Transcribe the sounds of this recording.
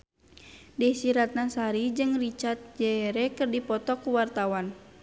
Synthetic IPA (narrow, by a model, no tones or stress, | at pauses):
dɛsiɾat̪̚nasaɾid͡ʒɨŋrit͡ʃart̪̚d͡ʒɛɾɛkɨrdipɔt̪ɔkuwart̪awan